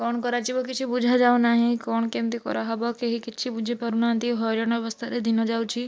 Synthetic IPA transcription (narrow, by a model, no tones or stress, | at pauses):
kɔñkɔɾat͡ʃibɔkɪt͡ʃʰibud͡ʒʱad͡ʒaːũnaːɦĩkɔːñkemt̪ikɔ̰ɾɔɦɔbɔkeɦikɪt͡ʃʰibud͡ʒʱepɔɾunãnt̪iɦɔɾjɔñɔɔʋəst̪ʰaɾɛd̪inɔd͡ʒaːut͡ʃʰi